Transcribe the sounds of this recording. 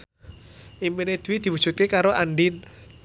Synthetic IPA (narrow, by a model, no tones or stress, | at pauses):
ʔimpined̪̥uwid̪̥i̤wu̥ʒ̥ṳt̪̚kekaɾoʔaɳɖin